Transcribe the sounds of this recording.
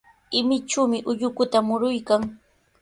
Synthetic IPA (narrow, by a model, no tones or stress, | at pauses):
ɪmɪt͡ʃuːmɪʔʊʎʊkʊt̪amʊɾʊjkaŋ